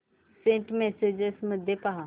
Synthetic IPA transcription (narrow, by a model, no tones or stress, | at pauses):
sẽːʈmɛːsed͡ʒesmʊd̪ʱːjepaɦa